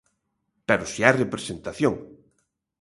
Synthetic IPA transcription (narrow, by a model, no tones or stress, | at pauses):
peɾʊsiajrepɾesent̪aθjoŋ